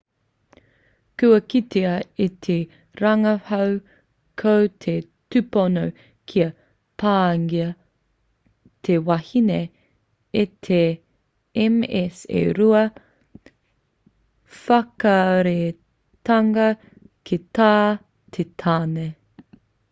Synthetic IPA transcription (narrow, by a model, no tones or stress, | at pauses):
kʉɐkitʰeɐit̪ʰe | ɾɐŋɐhɐw | kʰowtʰe | tʉpono | kʰiɐ | pʰaːŋiɐ | t̪ʰewɐhine | etʰe | ɛmɛsḛɾuɐ | fɐkɐɾe | tɐŋɐ | kʰetaː | t̪ʰetʰaːne